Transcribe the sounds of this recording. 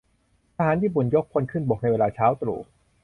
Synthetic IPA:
t̪ʰa˧ɦaː˩˦nt̪ʰiː˥˩bu˨˩njo˦˥kʰːo˧nkʰɯ˥˩nbɔː˨˩k̚na˧jweː˧laː˧t͡ɕʰaː˦˥wt̪ɾṵː˨˩

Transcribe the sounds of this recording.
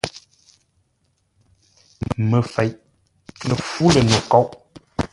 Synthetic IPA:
mə˨fɛ˨jʔ | lə˨fu˦lə˨no˨kɔ˦ʔ

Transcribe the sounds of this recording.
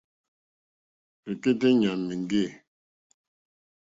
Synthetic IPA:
pe˨ke˦te˦ɲa˨nmi˨ŋɡe˦˨

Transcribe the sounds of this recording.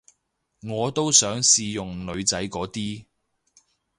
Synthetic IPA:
ŋɔː˨˧t̪o˥wsœː˨˥ŋsiː˧jʊ˨ŋlɵ˨˧ɥt͡sɐ˨˥jkɔː˨˥t̪iː˥

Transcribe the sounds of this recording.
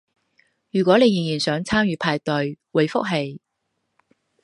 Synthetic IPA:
jyː˨˩kʷwɔː˨˥ne˨˧ji˨ŋjiː˨˩nsœː˨˥ŋt͡sʰaː˥mjyː˨˧pʰaː˧jt̪ɵ˨˧ɥwʊ˨˧jfʊ˥k̚ɦe˧j

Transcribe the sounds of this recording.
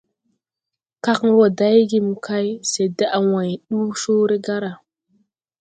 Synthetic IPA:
ka˦kŋ˦wo˨da˦jɡi˦mu˨kʰa˦jse˨de˦ʔa˨wa˨jɗu˦ʃo˦ɾe˦ɡa˦ɾa˨

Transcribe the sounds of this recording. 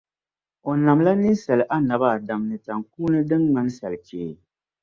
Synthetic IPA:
o˨na˨mla˦nɨ˦sa˨lʔa˦na˨ba˦˨da˨mnɨ˨ta˨ŋkuː˦nɨ˦dɨ˦ŋma˦n˦sa˨lt͡ʃeː˨

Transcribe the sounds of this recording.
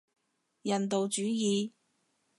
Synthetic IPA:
jɐ˨˩nt̪o˨wt͡ʃyː˨˥jiː˨˧

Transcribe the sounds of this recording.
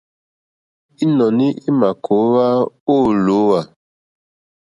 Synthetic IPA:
i˦nɔ˨ni˦ʔi˦ma˨kʰo˨˦wa˦o˦˨lo˨˦wa˨

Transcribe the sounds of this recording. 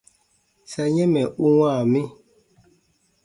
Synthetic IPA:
sa˨ɲɛ̃˦mɛ˨ʔu˦wã˦˨mi˦

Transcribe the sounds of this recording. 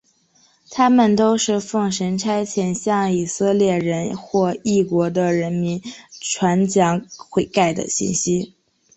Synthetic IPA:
t̪ʰa˥mə˨nt̪o˥ʊʂɻ̩˥˧fɤ˥˩ŋʂə˧˥nʈ͡ʂʰa˥ɪt͡ɕʰjɛ˧˩nɕjɑ˥˩ŋi˨˩sɤ˥˧ljɛ˥˩ɻə˧˥nxwɔ˥˧i˥˩kwɔ˧˥d̪ə˧ɻə˧˥nmi˧˥nʈ͡ʂʰwa˧˥nt͡ɕjɑ˧˥ŋxwe˧˩ɪka˥˩ɪd̪ə̰˨˩ɕḭ˥˩nɕi˥

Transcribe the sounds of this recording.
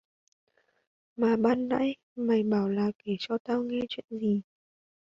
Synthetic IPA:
maː˨˩ɓaː˧nna̰ː˧˥˦j | ma˨˩jɓaː˨˩˦wlaː˨˩ke˧˩t͡ɕɔ˧t̪aː˧wŋɛ˧t͡ɕwḭ˧˨ənzi˨˩

